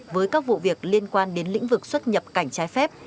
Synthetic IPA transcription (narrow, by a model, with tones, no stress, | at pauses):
vəː˨˦jkaː˦˥k̚vṵ˧˨vi˨˩ək̚li˧ənkwaː˧nɗe˨˦nlḭ˧˥ŋ̟vɨ˨˩k̚swə˦˥t̚ɲə˨˩p̚ka˧˩jŋ̟t͡ɕaː˨˦jfɛ˦˥p̚